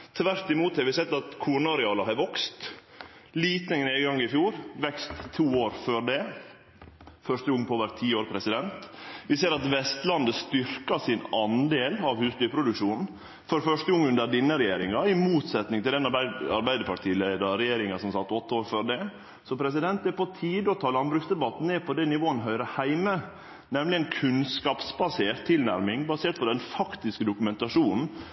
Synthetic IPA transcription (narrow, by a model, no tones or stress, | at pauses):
t̪ʰʋæɾt̪ɪmuːt̪hɑɾʋɪsɛt̪ːɑt̪kʰuːɳɑɾɛɑːlɑɦɑɾʋɔkst̪ | liːt̪nneːɡəɡɑŋːɪfjuːɾʋɛkst̪ʰːuːoːɾføːɖɛ | fœʂʈ̪əʊŋːpʰoːʋəɾt̪ʰiːoːɾpʰɾɛsɪd̪ɛnt̪ʋɪseːɾɑt̪ʋɛst̪lɑnd̪əst̪ʏɾkɑsɪnɑnd̪eːlɑʋhʉːsd̪ʏːpʰɾʊd̪ʉkʂuːnn̩ | fɔɾfœʂʈəʊŋːʉnd̪əɖɪnːəɾɛjeːɾɪŋɑɪmuːt̪sɛt̪nɪŋt̪ɪld̪ɛnɑɑɾbæɪd̪əɾpʰɑʈʰiːlæɪd̪ɑɾɛjeːɾɪŋɑsɔmsɑt̪ːɔt̪ːəoːɾføːɖɛ | sɔpʰɾɛsɪd̪ɛnt̪ɛpɔt̪ʰiːd̪əɔt̪ʰɑːlɑnbɾʉksd̪ɛbɑt̪n̩neːpʰɔd̪ɛnɪʋoːənɦœʏɾəhæɪmə | nɛmlɪɛnkʰʉnskɑːpsbɑseːɾt̪ʰːɪlnæɾmɪŋbɑseːʈ̚pʰɔd̪ɛnfɑkt̪ɪskəd̪ʊkʉmɛnt̪ɑʂuːnn̩